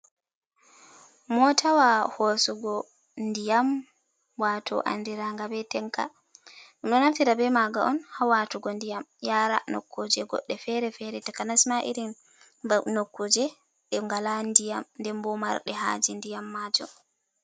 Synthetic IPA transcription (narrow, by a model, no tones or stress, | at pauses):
mɔtʰawahɔsɔɡɔ | ndijam | watɔ̰ʔa̰ndiɾaŋɡabɛtɛŋka̰ | ɗumɗɔnaftiɾabɛmaɡaʔɔnhawatuɡɔndijamjaɾa̰no̰kːod͡ʒɛɡɔ̰ɗːɛfɛɾɛfɛɾɛtakanasmaʔḭɾin | nokːod͡ʒɛ | ɗɛŋɡalandijamndɛmbɔma̰ɾɗɛɦa̰d͡ʒindijamːaːd͡ʒɔ̰